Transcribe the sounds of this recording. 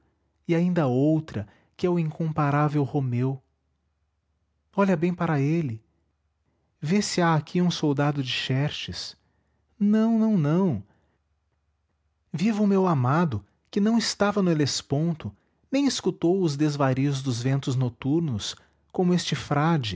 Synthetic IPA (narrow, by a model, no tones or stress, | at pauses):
ɪaĩnd̪ɐowt̪ɾɐ | kɪɛʊĩŋkõmpaɾavewhomew | ɔʎɐbẽj̃paɾɐelɪ | vesɪaːkʰiũsowd̪ad̪ʊd͡ʒɪʃɛɾt͡ʃɪs | nɐ̃w̃nɐ̃w̃nɐ̃w̃ | vivʊ̃mewamad̪ʊ | kɪnɐ̃w̃ɪst̪avɐnʊelespõnt̪ʊ | nẽj̃eskut̪owʊzd̪ezvaɾiʊzd̪ʊzvẽnt̪ʊznot̪uɾnʊs | kõmʊest͡ʃɪfɾad͡ʒɪ